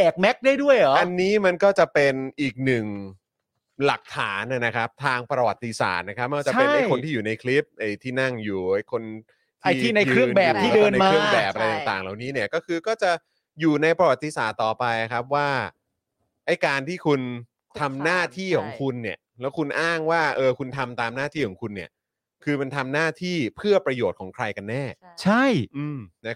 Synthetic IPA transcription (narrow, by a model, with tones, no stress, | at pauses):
ɛː˨˩k̚mɛ˦˥k̚daː˥˩jdu˥˩əjɔ˨˦ʔa˧nːiː˦˥ma˧nkɔː˥˩t͡ɕa˨˩pe˧nʔiː˨˩k̚nɯ˨˩ŋ | la˨˩k̚t̪ʰaː˩˦na˨˩na˦˥kʰa˦˥p̚t̪ʰaː˧ŋpɾa˧wa˨˩t̪ːi˧sa̰ː˨˩t̪̚na˦˥kʰa˦˥p̚ːt͡ɕa˨ape˧˥ʔa˧jkʰo˧nt̪ʰiː˥˩juː˨˩na˧jkʰli˦˥p̚ʔa˧˩jt̪ʰiː˥˩na˥˩ŋjuː˨˩a˥˩jkʰo˧n | t̪ʰa˧jt̪ʰiː˥˩na˧jkʰɾɯ˥˩əbɛː˧˨˩p̚t̪ʰiː˥˩dɤː˧na˧ɾɯ˥˩əŋbɛː˨˩p̚ʔa˧ɾa˧j̪aː˨˩ŋt̪aː˨˩ŋlaː˨˩wniː˦˥ni˥ɐkɔː˥˩kʰɯː˧kɔː˥˩t͡ɕa˨˩ | juː˨˩na˧jpɾa˧wa˨˩t̪ːi˨˧saː˨˩t̪ːɔː˨˩pa˧jna˨˩kʰa˦˥p̚waː˥˩ | ʔa˥˩jkaː˧nt̪ʰiː˥˩kʰu˧n | t̪ʰa˧mnaː˥˩t̪ʰiː˥˩kʰɔ̰ː˩˦ŋkʰu˧nːi˥˩ɐlɛː˦˥wkʰu˧nʔaː˥˩ŋwaː˥˩ʔɤː˧kʰu˧nt̪ʰa˧mt̪aː˧mnaː˥˩t̪ʰiː˥˩kɔː˩˦ŋkʰu˧nːi˥˩ɐ | kʰɯː˧ma˧nt̪ʰa˧mnaː˥˩t̪ʰiː˥˩pʰɯ˥˩ɐpɾa˧joː˨˩t̪̚kʰɔː˩˦ŋkʰɾa˧jka˧nːɛː˥˩t͡ɕʰa˥˩jʔɯː˧mna˦˥